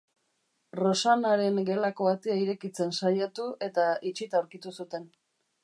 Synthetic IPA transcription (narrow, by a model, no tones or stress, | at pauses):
ro̞sanaɾe̞ŋɡe̞lako̞at̪eaiɾe̞kit͡se̞nsajat̪ue̞t̪ait͡ʃit̪awɾkit̪usut̪e̞n